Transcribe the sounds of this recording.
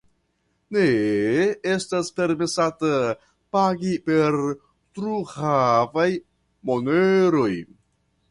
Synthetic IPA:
ne | estaspe̞ɾmesata | paɡipe̞ɾ | tɾuhavaj | moneɾo̞j

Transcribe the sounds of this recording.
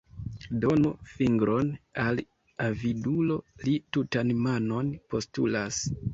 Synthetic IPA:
do̞nofiŋɡɾo̞nal | avidulo̞litutanmano̞npo̞stṵlas

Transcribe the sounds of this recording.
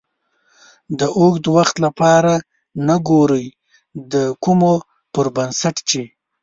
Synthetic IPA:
d̪əʔoɡd̪əwaxt̪lapɑɾa | naɡoɾəj | d̪əkumo | pʊɾbansaʈt͡ʃe

